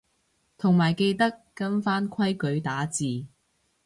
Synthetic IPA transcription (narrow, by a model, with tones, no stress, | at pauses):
t̪ʰʊ˨˩ŋmaː˨˩jke˧jt̪ɐ˥kːɐ˥nfaː˥nkʷʰɐ˥jkɵ˨˥ɥt̪aː˨˥t͡siː˨